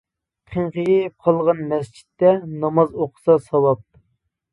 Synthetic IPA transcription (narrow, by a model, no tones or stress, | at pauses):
qʰeɴqɨjip̚qʰɑlˠʁɑnmɛst͡ʃʰi̥t̪ːɛnɑmɑzoqʰʊ̥sɑsɑwɑp̚